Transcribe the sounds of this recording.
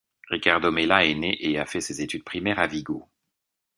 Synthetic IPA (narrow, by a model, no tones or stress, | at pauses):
ʁikaʁd̪omelaɛneʔeafɛsezet̪yd̪̚pχimɛʁaviɡo